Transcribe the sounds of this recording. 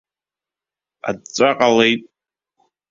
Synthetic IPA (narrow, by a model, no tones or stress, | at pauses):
a̰d̚t͡sʷʼaqʼalejtʼ